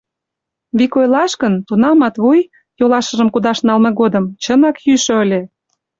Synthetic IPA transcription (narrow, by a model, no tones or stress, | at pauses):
βikojlɑʃkənt̪unɑmɑt̪βuj | jolɑʃə̆ʒəmkud̪ɑʃnɑlmɤɣod̪əmt͡ɕənɑkjyʃø̆əlʲe